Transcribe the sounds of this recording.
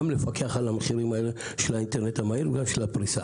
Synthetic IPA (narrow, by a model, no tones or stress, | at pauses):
mlefakeaχalameχiɾimaeleʃelainteʁnetamaiɾveɡamʃelapɾisa